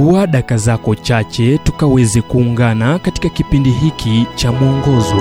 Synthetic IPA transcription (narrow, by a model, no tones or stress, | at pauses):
uaɗakazakɔt͡ʃat͡ʃɛtukawɛzɛkuːŋɡanakati̥kakipindiɦikʰit͡ʃamuɔŋɡɔzɔ